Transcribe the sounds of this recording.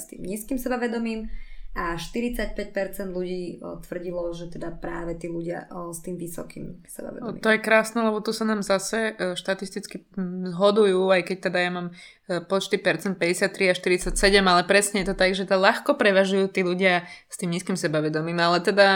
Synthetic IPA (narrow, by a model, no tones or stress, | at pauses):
st̪ḭːmɲiːskimsɛbaʋɛd̪ɔmiːmʔaʃt̪iɾit͡sac̚pɛc̚pɛɾt͡sɛnd̪luɟiːt̪ʋr̩ɟilɔʒɛt̪ɛd̪apɾaːʋɛt̪iːluɟɪa̰st̪iːmʋisɔ̰kḭːmsɛba̰ʋɛ̰d̪m̰ːt̪ɔjɛkɾaːsnɛlɛbɔt̪usanaːmzasɛʃt̪at̪ist̪it͡skizɦɔd̪ujuːajkɛc̚t̪ɛd̪ajamaːm | pɔt͡ʃt̪ipɛɾt͡sɛnt̪pɛɟɛsɪat̪ːɾiaʃt̪iɾit͡sacsɛɟɛmalɛpɾɛsɲɛjɛt̪ɔt̪aɡʒɛt̪ɛd̪alaxkɔpɾɛʋaʒujuːt̪iːluɟɪast̪iːmɲiːskimsɛbaʋɛd̪ɔmiːmalɛt̪ɛd̪a